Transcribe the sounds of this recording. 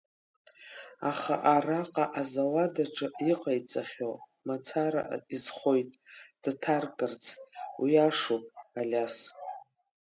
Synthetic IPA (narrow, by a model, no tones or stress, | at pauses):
aχa̰ʔaraqʼaʔazawadaʈ͡ʂʼɨʔiqʼajt͡sʼaχʲomat͡sʰaɾa̰ʔizχʷo̞jtʼd̥tʰarkʼɨrt͡sʰwiaʂopʼalʲas